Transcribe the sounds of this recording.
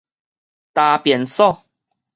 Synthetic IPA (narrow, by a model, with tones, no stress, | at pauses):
t̪a˨pjɛ˨˩nsɔ˥˧